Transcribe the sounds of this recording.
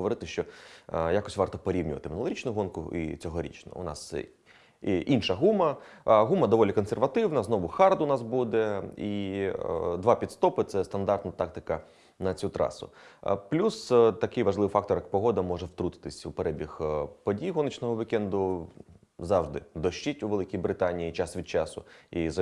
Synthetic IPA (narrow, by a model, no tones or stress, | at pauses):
ɦɔʋɔɾɪt̪ɪʃt͡ʃɔjakɔsʲʋɑrt̪ɔpɔɾʲiwnʲʊʋɐt̪ɪmɪnʊlˠɾit͡ʃnʊɦɔnkʊḭt͡sʲɔɦɔɾʲḭt͡ʃnɔ̰ʊ̰nɑ̰s | ʔinʃɐɦumɐɦumɐd̪ɔʋɔlʲikɔnserʋɐt̪ɪwnɐznɔʋʊxɑrd̪ʊnɑsbud̪ɛi | d̪ʋɑpʲid̪st̪ɔpɪt̪sɛst̪ɐnd̪ɑrt̪nɐt̪ɑk̚t̪ɪkɐ | nɐt͡sʲut̪ɾɑ̰sʊ̰plʲust̪ɐkɪjʋɐʒlˠɪʋfɑk̚t̪ɔrjɐk̚pɔɦɔd̪ɐmɔʐɛwt̪ɾut̪ɪ̥t̪ɪsʲupeɾɛbʲixpɔdʲijɦɔnɪt͡ʃnɔɦɔʋikɛnd̪ʊ | zɑʋʐd̪ɪ̰d̪ɔʃt͡ʃitʲuʋelˠɪkʲijbɾɪt̪ɑnʲijit͡ʃɑsʋʲid̪̥̚t͡ʃɑsʊ̰izɐ